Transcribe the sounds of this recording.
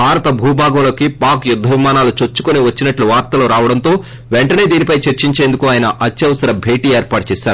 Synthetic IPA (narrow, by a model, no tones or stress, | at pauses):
bʱaːɾɐt̪ɐbʱuːbʱaːɡɐlo̞ːkipaːkjud̪ʱːɐʋimaːnaːlut͡ʃot͡ʃːu̥koniʋɐt͡ʃːinɐʈluʋaːɾt̪ɐloːɾaːʋɐɽɐnt̪o̞ː | ʋeɳʈɐne̞ːd̪iːnipɐjt͡ʃeɾt͡ʃiɲt͡ʃe̞ːnd̪ukuaːjɐnɐʔɐt͡ʃːɐʋɐsɐɾɐbʱe̞ːʈiːeːɾpaːʈɐt͡ʃɛːʃaːɾuu